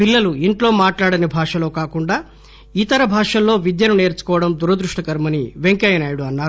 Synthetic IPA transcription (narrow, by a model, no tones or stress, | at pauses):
pilːɐluiɳʈlo̞ːmaːʈlaːɽɐnibʱaːʂɐlo̞ːkaːkuɳɖaː | iːt̪ɐɾɐbʱaːʂɐlːo̞ːʋid̪jɐnune̞ːɾt͡ʃu̥kɔːʋɐɽɐmd̪uɾɐd̪ɾuʂʈɐkɐɾmɐniʋeŋkɐjɐnaːjuɽuɐnːaːɾu